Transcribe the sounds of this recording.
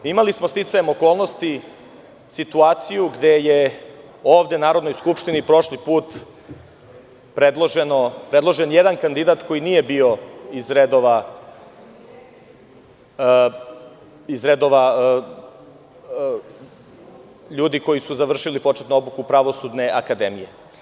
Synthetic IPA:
imalismost̪it̪sajemo̞ko̞ːlˠno̞st̪i | sit̪uaːt̪sijuɡd̪eje | o̞ːʋd̪enaːɾo̞d̪nojskupʃt̪inipɾo̞ʃlipuːt̪ | pɾed̪lˠoʒenopɾe̞d̪lˠo̞ʒenjed̪ankand̪id̪at̪ko̞jinije̞bio̞izɾed̪oʋa | izɾed̪o̞ʋa | ʎuːd̪iko̞jisuzaʋr̩ʃilipo̞t͡ʃet̪noo̞bukupɾaʋosud̪ne̞ʔakad̪emije̞

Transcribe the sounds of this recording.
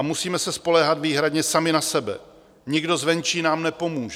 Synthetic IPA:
amusiːmɛsɛspo̞lɛːɦat̪viːɦɾadɲɛsamɪnasɛbɛ̰ | ɲɪɡdo̞zvɛnt͡ʃiːnaːmnɛpo̞muːʒ

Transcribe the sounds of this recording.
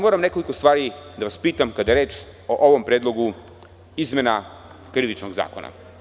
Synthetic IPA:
moːɾamne̞ko̞likost̪ʋaːɾid̪aʋaspiːt̪amkad̪aeɾeːt͡ʃ | oʔoʋo̞mpɾeːd̪lˠo̞ɡu | izme̞na | kɾiʋit͡ʃnoɡza̰ːkona̰

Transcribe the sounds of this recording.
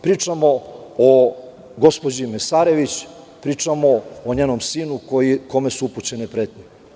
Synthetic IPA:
pɾiːt͡ʂamo̞o | ɡo̞spod͡ʑimesaːɾe̞ʋit͡ɕ | pɾiːt͡ʂamoːɲenomsiːnukojiko̞me̞suuput͡ɕe̞nepɾeːt̪nʲi

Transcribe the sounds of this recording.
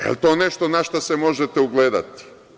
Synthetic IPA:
ḛlt̪o̞ːneʃt̪onaʃt̪asemo̞ʒet̪euɡleːd̪a̰t̪i̥

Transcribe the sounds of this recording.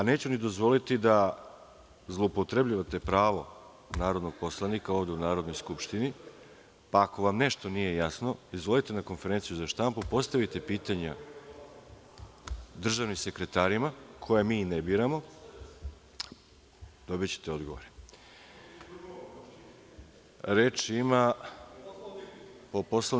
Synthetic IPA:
ane̞ːt͡ɕunid̪o̞zʋo̞lit̪id̪a | zlˠoupo̞t̪ɾe̞bʎiʋat̪e̞pɾaːʋo̞ | naːɾo̞d̪no̞ɡ̥̚po̞slˠanikaoʋd̪e̞unaːɾod̪nojskupʃt̪ini | paːko̞ʋamne̞ʃt̪onije̞jasno̞izʋo̞lit̪e̞nako̞nfe̞ɾe̞nt̪sijuzaʃt̪ampupo̞st̪aʋit̪e̞piːt̪aɲa | d̪r̩ʒaʋnimse̞kɾe̞t̪aːɾimakʰo̞jamiːnebiːɾamo̞ | d̪̥o̞bit͡ɕe̥t̪eo̞d̪ɡo̞ʋo̰ɾe | ɾeːt͡ʃima | poposlˠa

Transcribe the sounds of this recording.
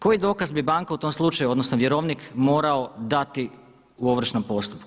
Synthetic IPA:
ko̞jid̪o̞ːkazbibaːŋkaut̪o̞mslˠut͡ʃajuo̞d̪no̞snoʋjeɾo̞ʋnikmo̞ːɾaod̪at̪i | uo̞ʋr̩ʃnompo̞st̪u̥pku

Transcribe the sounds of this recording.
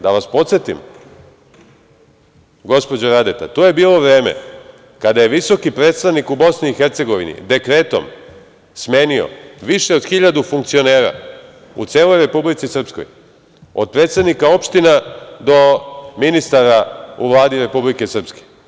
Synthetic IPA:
d̪aʋaspo̞t̪sjet̪ḭm | ɡo̞spo̞d͡ʑoɾad̪et̪a̰t̪oje̞biːlˠo̞ʋɾe̞ːmḛ | kad̪aje̞ʋiso̞kipɾeːt̪st̪aʋnikubo̞sniːxeɾt̪se̞ɡo̞ʋḭnḭd̪e̞kɾe̞ːt̪o̰m | sme̞ːnio̞̰ʋiʃe̞od̪xiʎad̪ufuŋk̚t̪sio̞ne̞ːɾa̰ | ṵt̪se̞ːlo̞jɾe̞publit̪sisr̩psko̞̰j | o̰d̪̚pɾe̞ːt̪st̪ad̪nikao̞pʃt̪inad̪o̞minist̪aɾaṵʋlˠaːd̪iɾe̞publike̞sr̩pske̥

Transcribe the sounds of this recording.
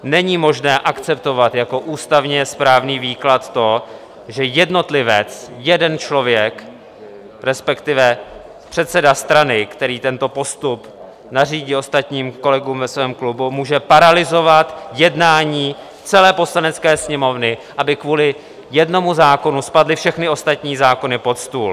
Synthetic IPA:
nɛɲimo̞ʒnɛːʔakt͡sɛpt̪o̞vat̪jako̞ʔuːst̪avɲɛspɾaːvniːviːklat̪t̪o̞ | ʒɛjɛdno̞t̪lɪvɛt͡sjɛdɛnt͡ʃlo̞vjɛk | ɾɛspɛkt̪ɪvɛ | pr̥ɛt̪sɛdast̪ɾanɪkt̪ɛɾiːt̪ɛnt̪o̞po̞st̪up | nariːɟiːo̞st̪at̪ɲiːmko̞lɛɡuːmvɛsvɛːmklubumuːʒɛpaɾalɪzo̞vat̪jɛdnaːɲiː | t͡sɛlɛːpo̞slanɛt͡skɛːsɲɛmo̞vnɪʔabɪkvuːlɪ | jɛdno̞muzaːko̞nuspadlɪfʃɛxnɪo̞st̪at̪ɲiːzaːko̞nɪpo̞t̪st̪uːl

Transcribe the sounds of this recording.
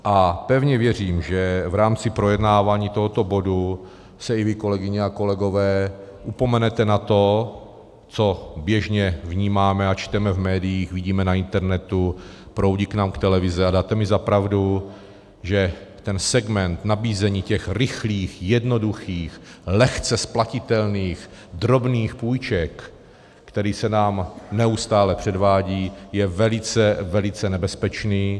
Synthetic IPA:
ʔapɛvɲɛvjɛr̝iːmʒɛvɾaːmt͡sɪpɾojɛdnaːvaːɲiːt̪oɦot̪o̞bo̞du | sɛɪvɪko̞lɛɡɪɲɛako̞lɛɡo̞vɛː | ʔupo̞mɛnɛt̪ɛnat̪o̞ | t͡so̞bjɛʒɲɛvɲiːmaːmɛat͡ʃt̪ɛmɛvmɛːdɪjiːxviɟiːmɛnaɪnt̪ɛɾnɛt̪upɾowɟiknaːmkt̪ɛlɛvɪzɛadaːt̪ɛmɪzapɾavdu | ʒɛt̪ɛnsɛɡmɛnt̪nabiːzɛɲiːcɛxɾɪxliːxjɛdno̞duxiːxlɛxt͡sɛsplacɪt̪ɛlniːx | d̪ɾo̞bniːxpuːjt͡ʃɛkː | t̪ɛɾiːsɛnaːmnɛust̪aːlɛpr̝̥ɛdvaːɟiːjɛvɛlɪt͡sɛvɛlɪt͡sɛnɛbɛspɛt͡ʃniː

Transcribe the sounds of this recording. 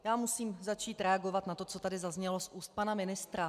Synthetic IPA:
jaːmusiːmzat͡ʃiːt̪ɾɛaɡo̞vat̪nat̪o̞t͡so̞t̪adɪzazɲɛlo̞sʔuːst̪̚panamɪnɪst̪ɾa

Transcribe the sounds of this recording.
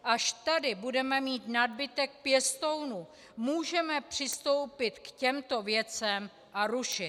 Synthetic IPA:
ʔaʃt̪adɪbudɛmɛmiːt̪nad̚bɪt̪ɛk̚pjɛst̪ownu | muːʒɛmɛpr̝̥ɪst̪o̞wpɪt̪kcɛmt̪o̞vjɛt͡sɛm | ʔaɾuʃɪ

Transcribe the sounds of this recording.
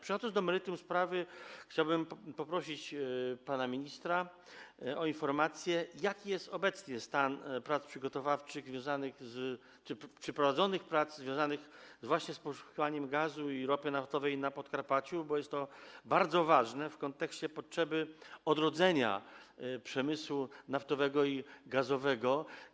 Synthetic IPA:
pʂɨxɔd̪ɔnd̪ɔmɛɾɘt̪umspɾavɘxt͡ɕawbɘmpɔpɾɔɕit͡ɕpanamʲiɲist̪ɾa | ɔinfɔɾmat̪sʲjɛjakʲijɛst̪ɔbɛt̪sɲɛst̪anpɾat̪spʂɘɡɔt̪ɔvaft͡ʂɘɣzvʲjɔ̃w̃zanɘxz | t͡ʂɘpʂɛpɾɔvad̪zɔnɘxpɾadt̪zzvʲjɔ̃w̃zanɘxzvwaɕɲɛspɔʂu̥kʲivaɲɛmɡazuiɾɔpɘnaft̪ɔvɛjnapɔt̪kaɾpat͡ɕubɔjɛst̪t̪ːɔbaɾd̪zɔvaʐnɛfkɔnt̪ɛksɕt͡ɕɛpɔtʂɛbɘɔd̪ɾɔd̪zɛɲa̰pʂɛmɘswunaft̪ɔvɛɡɔiɡazɔvɛɡɔ

